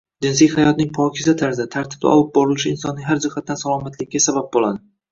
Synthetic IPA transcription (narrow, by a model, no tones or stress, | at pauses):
d͡ʒɪnsijhajɒt̪nɪŋpʰɒkʲʰɪzat̪ʰaɾzat̪ʰaɾt̪ʰɪb̚d̪a̰ʔɒ̰lˠɪp̚bɒɾɪlɪʃɪɪnsɒnːɪŋʲɦaɾd͡ʒɪhat̪̚ːansalˠɒmat̪ʰlɪkʲːasabap̚bolˠad̪ɪ